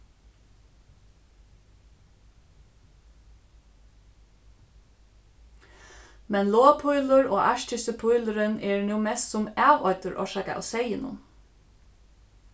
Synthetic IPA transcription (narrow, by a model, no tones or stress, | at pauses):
mɛnloːpʰʊjlʊɹoːʔɑʃtɪsəpʰʊjlʊɾɪnɛːɹnuːmɛst̪sʊmæːʋɔʏt̪ʊɹʔɔ̰ʃaka̰ʔa̰wsɛjɪnʊ̰m